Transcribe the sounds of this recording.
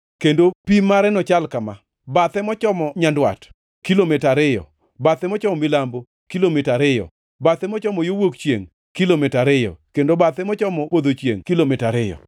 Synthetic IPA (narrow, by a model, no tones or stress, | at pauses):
kendopimaɾɛnɔt͡ʃalkama | bat̪ɛmɔt͡ʃɔmɔɲandwa̰t | kilomɪtaɾɪjɔ̰ | bat̪ɛmɔt͡ʃɔmɔmɪlambo | kilomɪtaɾɪjɔ̰ | bat̪ɛmɔt͡ʃɔmɔjowokt͡ʃjḛŋ | kilomɪtaɾɪjɔ̰kendobat̪ɛmɔt͡ʃɔmɔpod̪ot͡ʃjḛŋkilomɪtaɾɪjɔ̰